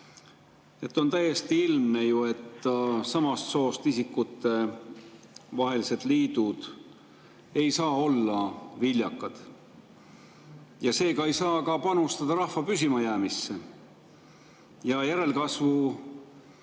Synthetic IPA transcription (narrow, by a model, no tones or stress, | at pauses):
et̪ːo̞nt̪æjːe̞st̪iilmnejue̞t̪ːɑsɑmɑst̪so̞ːst̪isikːut̪ːˑe̞ | vɑɦe̞lise̞d̪̥liːd̪̥ud̪̥ | e̞jsɑːo̞lːɑvilʲjɑkːˑɑd̪̥ | jɑse̞ːɡɑe̞jsɑːkɑpɑnust̪ɑd̪̥ɑɾɑhfɑpysimɑjæːmisːe̞ | jɑjæɾe̞lkɑsvu